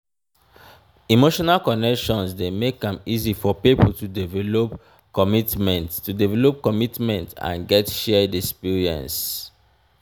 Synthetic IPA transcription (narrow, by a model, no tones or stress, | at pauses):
imoʃɔnalkɔnɛkʃɔ̃nsdemekãmizifɔpipəltudivɛlop | kɔmitmɛ̃nttudivɛlop̚kɔmitmɛ̃ntã̰nɡɛtʃɛdɛspiɹiɛ̰̃ns